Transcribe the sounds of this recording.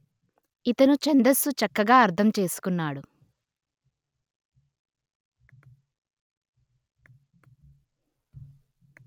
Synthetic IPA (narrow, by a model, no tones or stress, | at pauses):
it̪ɐnut͡ʃɐnd̪ɐsut͡ʃɐkːɐɡaːɐɾt̪ʰɐmt͡ʃe̞ːsu̥kunːaːɽu